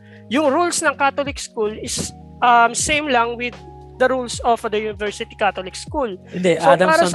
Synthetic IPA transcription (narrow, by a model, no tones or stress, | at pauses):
jʊŋɾulsnɐŋkat̪olɪkskulɪs | ʔɐmsẽjmlɐŋwɪd̪̚ | d̪ɐɾulsɔfd̪ɐjuːnɪvɛɹsɪt̪i̥kat̪olɪkskulɪnd̪ɛʔsaod̪ɐaːɾɐ